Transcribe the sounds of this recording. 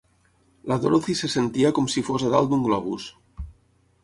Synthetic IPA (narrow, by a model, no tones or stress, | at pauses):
laðoɾoθisesent̪iakomsifosaðalˠd̪uŋɡlɔβus